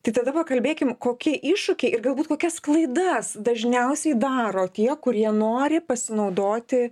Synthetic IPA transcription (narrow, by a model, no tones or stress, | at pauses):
t̪ɐɪt̪ɐd̪ɐpɐkɐlʲbʲeːkʲɪmkoːkʲiɛʔɪʃʊkʲɛɪɪrɡɐlˠbuːt̪koːkʲɛsklˠɐɪd̪ɐsd̪ɐʒʲnʲɛʊsʲɛɪd̪ɑːɾoːt̪ʲiɛkʊɾʲiɛnoːɾʲɪpɐsʲɪnɐʊd̪oːt̪ʲɪ